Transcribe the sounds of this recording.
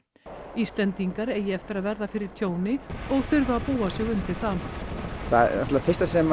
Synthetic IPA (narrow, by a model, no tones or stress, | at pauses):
ist̪lɛnt̪iŋkaɾeːjɪɛft̪ɪɾaðvɛɾðafɪɾɪɾ̥t̪ʰjoːwnɪɔɣθʏɾðaːpuːasɛɣʏmt̪ɪlθanθa̰a̰t̪lafɪrst̪asɛm